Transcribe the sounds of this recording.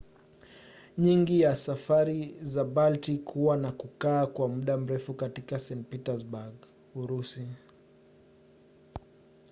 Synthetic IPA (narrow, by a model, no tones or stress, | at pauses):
ɲiŋɡijasafaɾizabaltikʰuwanakukaːkwamuɗam̩ɾɛfukatikasɛnpitazbaɡ | uɾusi